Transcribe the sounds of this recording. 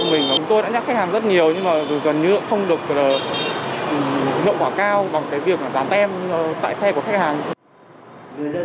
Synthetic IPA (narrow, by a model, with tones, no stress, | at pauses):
mï˨˩ŋ̟laː˨˩ʊ˨˦ŋ͡mt̪o˧jɗa̰ː˧˥ɲa˦˥xa˦˥k̚haː˨˩ŋzə˦˥t̚ɲi˨˩əwɲɨ˧ŋmaː˨˩˨ɣə˨˩nɲɨ̰˧˥xə˧wŋ͡mɗɨ˨˩ək̚əː˨˩ʔḭ˧˨ŋ͡mkwaː˧˩kaː˧wɓa˨˩ŋkaː˨˦jvi˨˩ək̚maː˨˩zaː˨˦nt̪ʰɛ˧mː˨˧t̪a̰ː˧˨jsɛ˧ku˧˩əxa˦˥k̚haː˨˩ŋ